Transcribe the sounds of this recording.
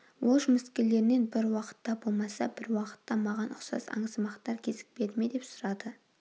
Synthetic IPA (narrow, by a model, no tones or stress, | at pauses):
wʔolˠʒʊmɪskʲele̞ɾɪne̞nbɪɾwɑqə̥t̪ːɑbo̞lˠmɑsɑbɪɾwɑqə̥t̪ːɑmɑʁɑnʔʊqsɑ̰sɑ̰ɴəzəmɑqt̪ɑɾkʲʰe̞zɪ̥k̚pe̞d̪ɪme̞d̪e̞psʊɾɑd̪ə